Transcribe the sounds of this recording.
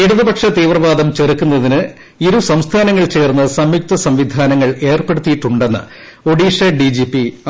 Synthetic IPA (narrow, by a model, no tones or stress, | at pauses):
e̞ɽuðubɐkʂɐt̪iːʋrɐʋaːd̪ɐmt͡ɕerikʲːunːɐðinɨ | iɾusɐmst̪ʰaːnɐŋːɐɭt͡ɕe̞ːrnːɐsɐmjuk̚t̪ɐsɐmʋid̪ʱaːnɐŋːɐɭe̞ːrpe̞ɽut̪ːijiʈːuɳɖenːɐ̰ | o̞ɽiːʂɐɖid͡ʑipːi